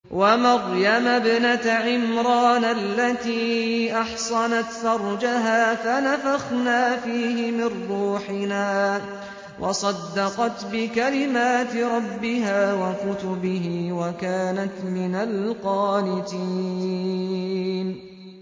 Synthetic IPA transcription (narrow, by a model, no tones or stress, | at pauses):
wamɑɣjamabnat̪ʕɪmɾˤɑːnalːat̪iːʔɑħsˤɑnat̪fɑɾˤd͡ʒaɦaːfanafaxnaːfiːɦɪmɪrːuːħɪnaː | wʔɑ̰sˤɑd̪ːɑqɑt̪bɪkalɪmaːt̪ɾˤɑbːɪɦaːwakʊt̪ʊbɪɦiwakaːnat̪mɪnalqɑːlɪt̪iː | n